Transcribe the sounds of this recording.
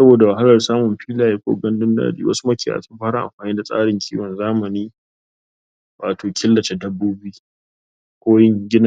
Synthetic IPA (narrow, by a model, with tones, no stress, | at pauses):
sɐ˦boː˨da˨wɐ˨ɦa˦lɐ˨rsaː˦mʊ˨mɸiː˦laː˨je˦kʷo̰ː˦ɡɐ˦ndʊ˦nda̰ː˦dḭː˨˦wʔɐ̰˦su˦mɐ˦kʲiː˨ja̰ː˨sʊ˦mɸaː˦ɽa˦ʔa˨mɸaː˨niː˦da˨sʼa̰ː˦ɽɪ˨ŋkʰʲḭː˦wɐ˨nzaː˦mɐ˨niː˦ | waː˨tʰoː˨kʲʰɪ˦lːɐ˨t͡ʃe˨dɐ˦bːuː˦biː˦ | kʷoː˦jɪ˦ŋɡʲɪ˦na˦